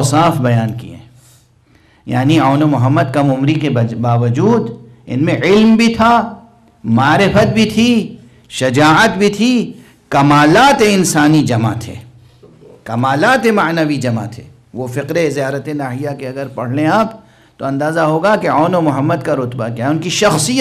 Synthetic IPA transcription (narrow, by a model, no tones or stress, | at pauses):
saːfbɐjaːnkḭḛ̃ː | ja̰ːnioːnomʊɦəmːəd̪kɐmʊmɾikebaːʋəd͡ʒuːd̪ | ɪ̰nmẽɪlmbʱit̪ʰa | maːɾɪfət̪̚bʱit̪ʰi | ʃɐd͡ʒaːʕət̪bʱit̪ʰi | kɐmaːlaːt̪eɪnsaːnid͡ʒɐma̰t̪ʰḛː | kɐmaːlaːt̪emɐʕnɐʋid͡ʒɐma̰t̪ʰḛː | ʋofɪqɾezijaːɾət̪enaːɦɪjakeɐɡəɾpɐɽ̤lẽaːp | t̪oɐ̃nd̪aːzaɦoːɡakeaːnomʊɦəmːəd̪kaɾʊt̪bakjaʊnkiʃɐxsijə